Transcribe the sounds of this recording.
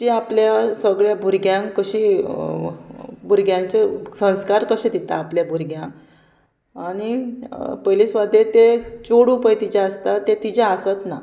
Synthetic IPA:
t͡ɕiapljasəɡɭjabʱuɾɡjãŋkkəɕiː | bʱuɾɡjãɲt͡ɕesə̃skaɾkəɕẽd̪it̪a̰ːpljabʱuɾɡjãŋk | aɽ̃ipəlisʋad̪et̪et͡ɕoɽupəjt̪id͡ʑaəst̪at̪et̪id͡ʑãəsat̪na

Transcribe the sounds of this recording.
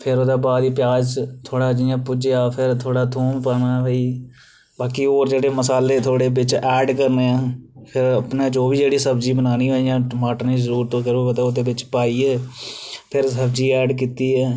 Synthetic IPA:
pʰɪɾoːd̪aːbaːd̪iːpɪjaːd͡ʒt̪ʰoːɽaːd͡ʒiːãːpʊd͡ʒeaːpʰɪɾt̪ʰoːɽaːt̪ʰuːmpaːnaːbəːiː | baːkiːoːɾd͡ʒeːɽeːməsaːleːt̪ʰoːɽeːbɪt͡ʃɛːɖkəɾneːãːpʰɪɾəpnãːd͡ʒoːbiːd͡ʒeːɽiːsəbd͡ʒiːbənaːniːɦaːijãːmaːʈniːzəɾuːɾt̪õːkəɾoət̪aːʊd̪eːbɪt͡ʃpaːiːɛː | pʰɪɾsəbd͡ʒiːɛːɖkiːt̪iːɛː

